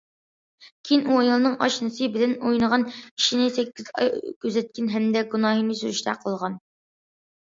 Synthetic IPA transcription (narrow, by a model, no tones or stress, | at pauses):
kʲʰinʔuɑjlˠɨnɨŋʔɑ̰ʃnɨsɨbɪlɪnojnəʁɑnkʲʰi̥ʃinɪsɛkʲːizɑ̰jkʲʰøzɛt̪̚kʲɪnɦɛmd̪ɛɡunɑːɦimisyɾɪʃt̪ʰɛ̰qʰəlˠʁɑn